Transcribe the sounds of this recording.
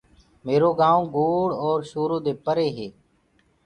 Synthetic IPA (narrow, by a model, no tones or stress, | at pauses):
meːɾoːɡãːõːɡoːɽɔːɾʃoːɾõːd̪eːpəɾeːɦeː